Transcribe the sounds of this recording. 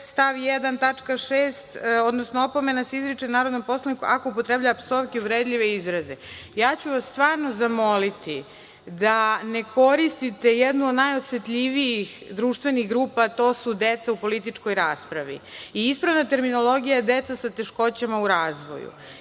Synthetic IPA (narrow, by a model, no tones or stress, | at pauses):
st̪aʋjed̪ant̪at͡ʂkaʃeːst̪od̪nosnoopo̞me̞nasizɾit͡ʃenaːɾod̪nompo̞slanikuʔako̞upot̪ɾeblʎaʋapsovkeuvɾed̪ʎʲiʋeizɾazejaːt͡ɕuʋasst̪ʋaːɾno̞zamo̞lit̪i | d̪ane̞ko̞ɾist̪it̪ejed̪nuod̪najot̪set̪ʎʲiʋijixd̪ɾuːʃt̪ʋe̞niɣɡɾuːpat̪o̞ːsud̪et̪saupo̞lit̪it͡ʂko̞jɾaːspɾaʋḭiispɾaʋnat̪e̞ɾmino̞lˠo̞ɡijad̪et̪sasat̪e̞ʃko̞t͡ɕamauɾaːzʋo̞̰jṵ